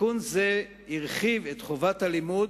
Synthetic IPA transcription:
unze | iʁχivet̪χovathalimud

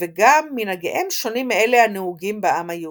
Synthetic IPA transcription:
veɡamːinaɡeʔemʃo̞nimːelehanehuɡimbaʔamhaje

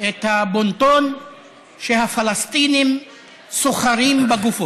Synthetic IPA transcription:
et̪habonton | ʃehafalast̪inim | soχaʁimbaɡufo

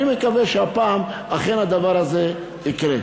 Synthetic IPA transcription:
imekaveʃeapaːmaχenad̪avaʁaze | ikɾe

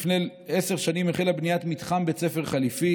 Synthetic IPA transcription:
fne | ese̞ʁʃanimeχelabnijat̪mit̪χambet͡sefe̞ʁχalifi

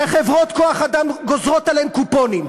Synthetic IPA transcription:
aχevʁot̪koaχad̪amɡozʁot̪alemkuponim

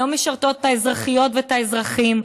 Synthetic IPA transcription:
omeʃaʁt̪o̞tːaezʁaχijo̞tvetaezʁaχim

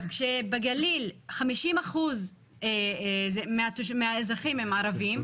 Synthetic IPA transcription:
vkʃebeɡalilχamiʃimaχuz | ezemeat̪uʃmeaezʁaχimhemaːɾavim

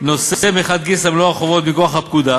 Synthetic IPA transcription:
nossemeχad̪̚ɡisamloaχovo̞t̪mikoaχhapkud̪a

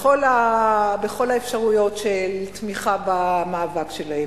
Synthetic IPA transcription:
olabeχo̞laefʃaʁujo̞tʃelt̪miχabamaːvakʃe̞lae

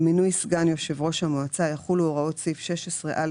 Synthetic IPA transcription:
minujsɡanjo̞ʃevʁo̞ʃhamoat͡sajaχuloʁaotsifʃeʃesʁeʔal

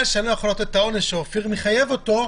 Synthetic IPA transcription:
ʃealojaχolot̪et̪ao̞neʃeofiʁmiχajevo̞t̪o

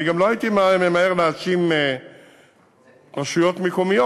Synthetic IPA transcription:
iɡamloajit̪imamemaeʁlaasime | ʁaʃujot̪mikomijo

